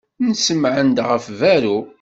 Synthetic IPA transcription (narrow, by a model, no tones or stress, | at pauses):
nsəmʕənd̪ʁəfvæɾu